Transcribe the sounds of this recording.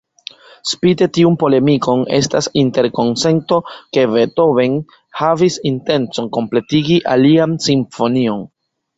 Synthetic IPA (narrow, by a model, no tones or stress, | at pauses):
spite̞tiunpo̞le̞miko̞ne̞stasinte̞ɾko̞nse̞nto̞ke̞ve̞to̞ve̞n | havisinte̞nt͡so̞ŋko̞mple̞tiɡiʔaliansiɱfo̞nio̞n